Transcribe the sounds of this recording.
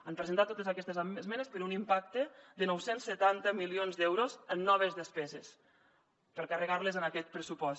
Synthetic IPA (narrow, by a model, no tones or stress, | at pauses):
ampɾəzənt̪at̪ːot̪əzakɛst̪əzazmɛnəspəɾunimpak̚t̪əd̪ənɔwsensːət̪ant̪əmilionzd̪ɛwɾozənːɔβ̞əzðəspɛzes | pəlˠkarəɣaɾləzənakɛt̪̚pɾəsupɔs